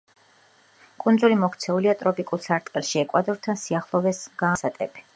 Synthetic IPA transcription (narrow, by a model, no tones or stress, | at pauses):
kʼund̪zulimɔkʰt̪sʰɛuliat̪ʼɾɔpʼikʼulˠsaɾt̪ʼqʼɛlˠʃiɛkʼwad̪ɔɾt̪ʰansiaχlˠɔvɛsɡ̥aːsat̪ʼɛbi̥